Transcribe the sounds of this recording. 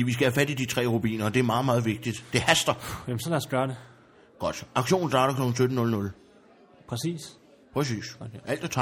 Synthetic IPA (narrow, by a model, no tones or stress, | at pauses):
iʋis̬ɡ̥æhæfæd̥id̥it͡sʰʁɛ̰ːʁub̥ḭːnɐːd̥e̝æɐmɑ̈ːð̩ˠmɑ̈ːð̩ˠʋe̝ɡ̥̚d̥id̥d̥e̝hæsd̥ɐjemsɒ̽læɐsɡ̥ɶːɐɾe | ɡ̥ɒ̽d̥ɑ̈ɡ̥ɕo̝̰ːn̩sd̥ɑ̈ːɾ̥ɐkʰlɒ̽ɡ̥ŋ̩sødn̩nɔ̽lnɔ̽l | pʰʁɛsḭːs | pʰʁɛs̬ḭːsʔæl̰d̥et͡sʰɑ